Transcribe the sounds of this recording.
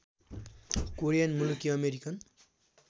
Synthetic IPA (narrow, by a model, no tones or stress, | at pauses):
koɾijanmulukiʌmeɾikʌn